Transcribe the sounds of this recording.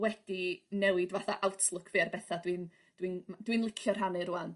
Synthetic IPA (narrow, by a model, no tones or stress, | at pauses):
wɛd̥inɛwɪdvaθaʔawtʰlˠʊkʰvɨarbɛθadwin | d̥wind̥winlˠɪkʰjɔr̥ɦanɨɾuan